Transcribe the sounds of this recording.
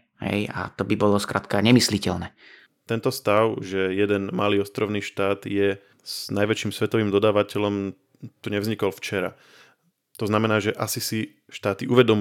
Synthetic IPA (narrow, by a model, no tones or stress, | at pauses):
ɦɛ̰ja̰t̪ɔbibɔlɔskɾa̰t̪kaɲɛmislicɛ̰lnɛ | t̪ɛnt̪ɔst̪aʊʒɛjɛd̪ɛnmaliːɔst̪ɾɔʊniːʃt̪aːd̪jɛ | znajʋɛt͡ʃiːmsʋɛt̪ɔʋiːmd̪ɔd̪aːʋacɛlɔm | t̪uɲɛvzɲikɔlft͡ʃɛɾa̰ | t̪ɔznamɛnaːʒɛʔasisi | ʃt̪aːt̪iʔuʋɛd̪ɔm